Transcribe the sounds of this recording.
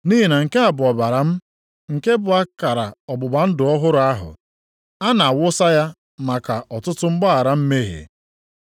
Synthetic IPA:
niː˦ɦi˨na˨ŋ̩˨ke˦a˨bʊ˨ɔ˨ba˨ɾa˨m̩˦ | ŋ̩˨ke˦bʊ˨a˦ka˨ɾa̰˨ɔ˨bʊ˨ba˨n̩˦dʊ˨ɔ˦ɦʊ˦ɾʊ˨˦a˦ɦʊ̰˨ | a˦na˨a˨wʊ˦sa˦ja˦ | ma˨ka˨ɔ˨tʊ˦tʊ˦ŋ͡m̩˦ɡ͡ba˦a˨ɾa˦m̩˦me˦ɦḛ˨

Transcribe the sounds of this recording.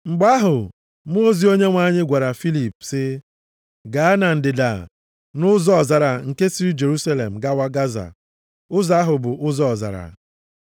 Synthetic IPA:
ŋ͡m̩˨ɡ͡ba˦ɦʊ˨ | m˦o˦zi˦o˦ɲe˦ŋʷa˦ɲɪ˦ɡʷa˨ɾa˨fi˦li˨psɪ˦ | ɡa˨a˦na˨n̩˨dɪ˨da̰˨ | nʊ˦zɔ˦ɔ˨za˨ɾa˨ŋ̩˨ke˦si˦ɾi˦d͡ʒe˨ɾu˦sa˦le˨m̩˨ɡa˦wa˦ɡa˦za̰˨ | ʊ˦za˦ɦʊ˨bʊ˨ʔʊ˦zɔ˦ɔ˨za̰˨ɾa̰˨

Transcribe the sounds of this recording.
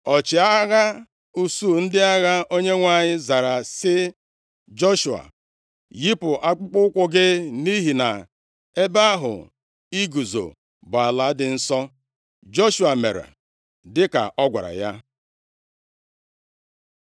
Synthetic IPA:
ɔ˨t͡ʃɪ˨a˦ɣa˦ | u˨su˦˨n̩˦dɪ˦a˦ɣa˦ʔo˦ɲe˦ŋʷa˦ɲɪ˦za˨ɾa˨sɪ˦ | d͡ʒo˦ʃu˨a̰˨ | ji˦pʊ˨ʔa˦k͡pʊ˦k͡pʊ˦ʊ˦kʷʊ˦ɡɪ˦ni˦ɦi˨na˨ | e˦ba˦ɦʊ̰˨ | i˦ɡu˨zo̰˨ | bʊ˨a˨la˨˦dɪ˨n̩˦sɔ˦ | d͡ʒo˦ʃu˨a˨me˨ɾa̰˨ | dɪ˦ka̰˨ʔɔ˦ɡʷa̰˨ɾa̰˨ja˦

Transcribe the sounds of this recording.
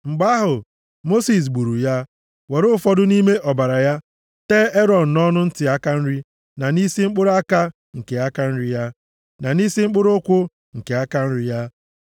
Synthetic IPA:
ŋ͡m̩˨ɡ͡ba˦ɦʊ˨ | mo˦si˨s̬ɡ͡bu˨ɾu˨ja˦ | we˨ɾʊ˦fɔ˦dʊ˦ni˦me˦ʔɔ˨ba˨ɾa˨ja˦ | teː˦e˦ɾɔ˨n̩˨nɔ˦nʊ˦n̩˦tɪ˨a˦ka˦n̩˦ɾi˦ | na˨ni˦si˦ŋ͡m̩˦k͡pʊ˦ɾa˦ka˦ | ŋ̩˨ke˨a˦ka˦n̩˦ɾi˨ja˦ | na˨ni˦si˦ŋ͡m̩˦k͡pʊ˦ɾʊ˦kʷʊ˦ | ŋ̩˨ke˨a˦ka˦n̩˦ɾɪ˨ja˦

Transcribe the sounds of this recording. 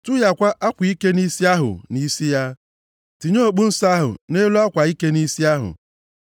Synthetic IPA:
tʊ˦ja˨kʷa˦ʔa˦kʷi˦ke˦ni˦si˦a˦ɦʊ̰˨ni˦si˦ja˦ | ti˨ɲo˦˨ɡ͡bu˦n̩˦sa˦ɦʊ̰˨ne˦lu˦a˦kʷa˨i˦ke˦ni˦si˦a˦ɦʊ̰˨

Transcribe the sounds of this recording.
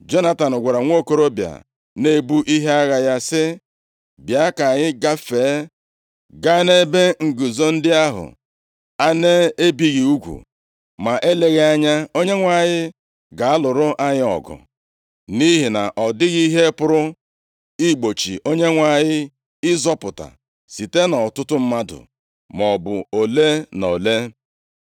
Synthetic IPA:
d͡ʒo˦na˨ta˨nʊ˨ɡʷa˨ɾa˨ŋʷo˦ko˦ɾo˦bja̰˨ | ne˦bu˦ʔi˦ɦe˦a˦ɣa˨ja˦sɪ˦ | bja˦ka˨ɲɪ˦ɡa˦feː˨˦ | ɡa˦ne˦be˦ŋ̩˨ɡu˨zo˦n̩˦dɪ˦a˦ɦʊ̰˨ | a˦ne˦e˦bi˨ɣi˨u˦ɡʷṵ˨ | ma˨ʔe˦le˨ɣe˦a˦ɲa˦o˦ɲe˦ŋʷa˨ɲɪ˦ | ɡa˨a˦lʊ˨ɾʊ˦ʔa˦ɲɪ˦ɔ̰˨ɡʊ̰˨ | ni˦ɦi˨na̰˨ʔɔ˨dɪ˦ɣi˦ɦe˦pʊ˦ɾʊ˦ | i˦ɡ͡bo˨t͡ʃḭ˨ʔo˦ɲe˦ŋʷa˨ɲɪ˦ | ɪ˦zɔ˦pʊ˨ta̰˨ | si˨te˦nɔ˨tʊ˦tʊ˦m̩˦ma˦dʊ̰˨ | mɔ˨bʊ̰˨o˨le˦no˨le˦

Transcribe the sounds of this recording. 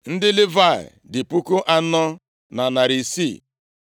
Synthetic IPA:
n̩˦dɪ˦lɪ˦va˦˨ɪ̰˨dɪ˨pu˦kʊ˦ʔa˦nɔ˦ | na˨na˨ɾi˨si˦˨

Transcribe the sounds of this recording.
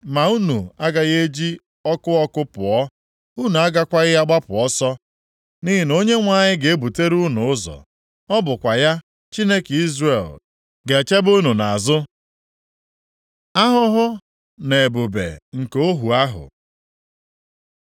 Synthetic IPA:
ma˨u˦nu˨a˦ɡa˨ɣe˦d͡ʒi˦ | ɔ˦kʊ˦ɔ˦kʊ˦pʊ˨ɔ˦ | u˦nu˨a˦ɡa˦kʷa˦ɣɪ˦ja˦ɡ͡ba˦pʊ˨ɔ˦sɔ˦ | ni˦ɦi˨no˦ɲe˦ŋʷa˦˨ɲɪ˦ɡe˨e˦bu˨te˦ɾu˦nʊ˨ʊ˦zɔ̰˨ | ɔ˦bʊ˨kʷa˨ja˦ | t͡ʃi˦ne˦ki˦zre˨l | ɡe˨t͡ʃe˦bu˦nu˨na˨a˨zʊ˦ | a˦ɦʊ˦ɦʊ˦ | ne˨e˨bu˨bḛ˨ŋ̩˨ko˦ɦu˨a˦ɦʊ̰˨

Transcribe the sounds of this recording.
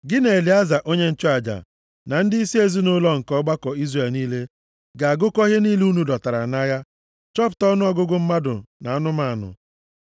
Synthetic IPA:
ɡɪ˦ne˨e˨li˨a˦za˨ʔo˦ɲe˦n̩˦t͡ʃɔ˦a˨d͡ʒa̰˨ | na˨n̩˦dɪ˦i˦si˦e˦zi˦nʊ˦lɔ˦ŋ̩˨kɔ˦ɡ͡ba˦kɔ˨i˦zre˨lniː˦le˦ | ɡa˨a˨ɡʊ˦kɔ˦ɦe˦niː˦lu˦nu˨dɔ˨ta˨ɾa̰˨na˦ja˦ | t͡ʃɔ˦p̬ʊ̥˨tɔ˦nʊ˦ɔ˦ɡʊ˦ɡʊ˦m̩˦ma˦dʊ̰˨na˨a˦nʊ˦ma˦a˨nʊ̰˨

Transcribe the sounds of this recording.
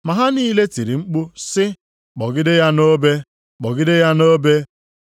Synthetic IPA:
ma˨ɦa˦niː˦le˦ti˨ɾi˨ŋ͡m̩˦k͡pu˦sɪ˦ | k͡pɔ˨ɡɪ˦dɪ˦ja˦no˦be˦ | k͡pɔ˨ɡɪ˦dɪ˦ja˦no˦be˦

